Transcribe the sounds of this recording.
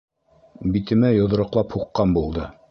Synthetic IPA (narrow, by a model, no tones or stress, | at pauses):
bit̪ɘ̆mæjŏð̆ɾɤ̆qlˠɑphuqːɑnbulˠd̪ɤ